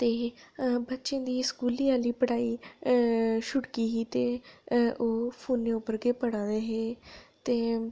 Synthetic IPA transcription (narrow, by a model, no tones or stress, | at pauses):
t̪eːbətːʃẽːd̪iːskuːliːaːliːpəɽaːiː | ʃʊʈkiːɦiːt̪eːʔoːpʰuːnːeːʊpːəɾɡeːpəɽãːd̪eːɦeːt̪eː